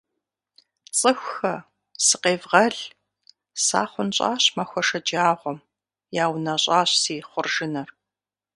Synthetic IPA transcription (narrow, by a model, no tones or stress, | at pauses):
t͡sʼɨxʷxɐ | sɨqeːvʁɐɮ | sa̰ːχʷʊnt͡ɕʼa̰ːɕmɐxʷɔʂɐd͡ʒaːʁʷɔm | jaːwnɐɕʼaːɕsiːχʷʊrʒɪnɐr